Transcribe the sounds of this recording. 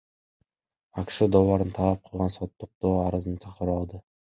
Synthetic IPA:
akʲʃɪd̪ɒwaɾnɪt̪ʰalap̚qʰɨlˠʁɑnsɒt̪ːʊq̚d̪̥oaɾɪznɪt͡ʃ̪ʰaqʰɪɾɒlˠd̪ɪ

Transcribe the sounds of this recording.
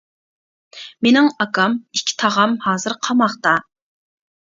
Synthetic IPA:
menɪŋɑkɑmikʲʰːi̥t̪ʰɑʁɑmhɑːzɨɾqʰɑmɑχt̪ɑ

